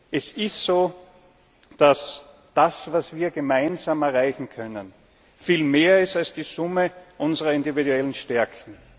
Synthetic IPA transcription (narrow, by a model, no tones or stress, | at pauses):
ʔɛsɪstsoː | d̥as | d̥asvasv̥iːɐɡemãɪnzaːmɛɐʁaɪçŋ̩kʰœnən | fiːlmeːɐɪstalsd̥iːzʊməʔʊnzəʁɐɪndividuɛlənʃtɛɐkʰn̩